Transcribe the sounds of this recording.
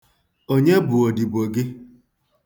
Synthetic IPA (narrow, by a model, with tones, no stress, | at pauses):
o˦ɲe˦bʊ˨o˨di˨bo˨ɡɪ˦